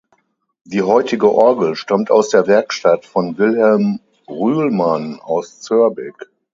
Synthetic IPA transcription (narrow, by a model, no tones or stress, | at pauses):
d̥iːɦɔʏtɪɡəʔɔɐɡl̩ʃtamtaʊsd̥eːɐvɛɐkʃtatfɔnvɪlhɛlm | ʁyːlmanaʊst͡søɐbɪk